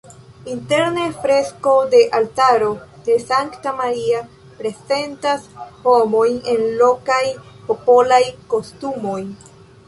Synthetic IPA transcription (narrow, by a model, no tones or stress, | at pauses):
inte̞ɾnefɾe̞sko̞de̞ʔaltaɾo̞de̞saŋktamaɾia | pɾe̞ze̞ntasho̞mo̞jne̞nlo̞kajpo̞po̞lajko̞stumo̞j